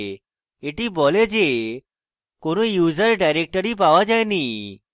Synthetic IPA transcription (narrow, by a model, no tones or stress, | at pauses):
eʈibɔled͡ʑe | koñujuzəɾɖajɾek̚ʈəɾipaʋad͡ʒajni